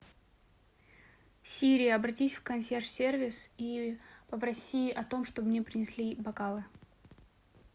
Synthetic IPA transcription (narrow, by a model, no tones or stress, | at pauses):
sʲiɾʲɪjəɐbɾɐtʲisʲfkɐnsʲerʂsʲervʲɪsipəpɾɐsʲiɐt̪o̞mʂt̪obmnʲepɾʲɪnʲɪsʲlʲibɐkalˠɨ